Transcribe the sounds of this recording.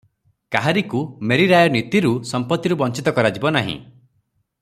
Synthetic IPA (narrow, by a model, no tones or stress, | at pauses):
kaɦaɾikumeɾiɾajɔnit̪iɾusɔmpɔt̪ːiɾubɔnt͡ʃit̪ɔkɔɾad͡ʒibɔnaɦḭ̃